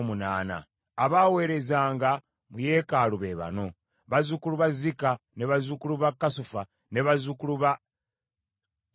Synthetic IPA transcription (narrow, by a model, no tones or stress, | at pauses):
munaːna̰ː | βaːwe̞ːɾe̞zaːŋɡa | muje̞ːkaluβe̞βa̰no̞ | βazukuluβazikane̞βazukuluβakːasufa | ne̞βazukuluβa